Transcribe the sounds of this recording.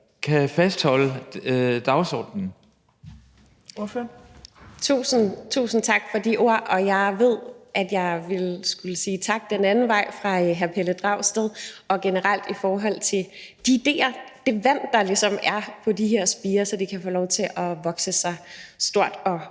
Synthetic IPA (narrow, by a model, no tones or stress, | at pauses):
kʰæfæsd̥hɒ̽lə | d̥ɑ̈ʊsɒ̰ːd̥n̩ | t͡sʰṵːsn̩t͡sʰṵːsn̩t͡sʰɑ̈ɡ̥fɒ̽d̥iʔo̝ɐ̰ʔɒ̽jɑ̈ɪʋe̝ð̰ˠʔæd̥jɑ̈ɪʋe̝lsɡ̥uləsiːt͡sʰɑ̈ɡ̥̚d̥enænn̩ʋɑ̈ɪ̰fʁɑ̈ɦæɐpʰeləd̥ʁɑ̈ʊsd̥eðˠɒ̽ɡ̥e̝nəʁɑl̰d̥ifɒːɦɒ̽l̰t͡sʰe̝ld̥iːd̥e̝̰ːɐd̥e̝ʋæn̰d̥ːɑ̈lisɒ̽mæɐpʰɒ̽d̥iɦeɐ̰sb̥iːɐsɒ̽d̥ekʰæfoːlɒʊt͡sʰe̝ʔɒ̽ʋɒ̽ɡ̥səsɑ̈ɪsd̥o̝ɐ̰d̥ɒ̽